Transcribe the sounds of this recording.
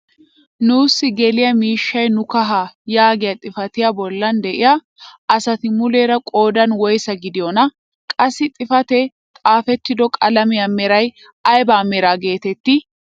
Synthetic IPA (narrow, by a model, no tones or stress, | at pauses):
nuːsːɪɡɛlɪjɐmiːʃːɐjnʊkɐɦaːjaːɡɪjɐt̪ʼɪfɐt̪ɪjɐbɔlːɐnd̪ɛʔɪja | ʔɐsɐt̪ɪmʊleːɾɐkʼo̞ːd̪ɐnwɔjsɐɡɪd̪ɪjɔnɐ | kʼɐsːɪt̪ʼɪfɐt̪ɛ | t̪ʼaːfɛt̪ːɪd̪ɔkʼɐlɐmɪjɐmɛɾɐj | ɐjbaːmɛɾaːɡe̞ːt̪ɛt̪ːɪ